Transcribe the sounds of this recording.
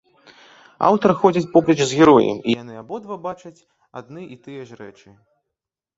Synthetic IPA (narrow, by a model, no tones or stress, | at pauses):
a̰wt̪ɐɾɨxɔd͡zʲɐt͡sʲpɔblʲɛt͡ʃzɣʲɛɾɔjɛ̰mḭjanɨabɔd̪vabat͡ʃɐt͡sʲ | a̰d̪nɨʔit̪ɨjɛʐrɛ̰t͡ʂɨ